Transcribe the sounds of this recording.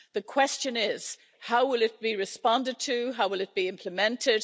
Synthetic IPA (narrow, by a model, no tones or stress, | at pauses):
ðɨkʰw̥ɛst͡ʃɨ̃nɪz̥ | haʊwɪlˠɨt̚b̥iɹɨspɑ̃ndɨd̚tʰɨɦaʊwɨlˠɨt̚b̥iɪ̃mpʰləmɛ̃ntʰɪd̥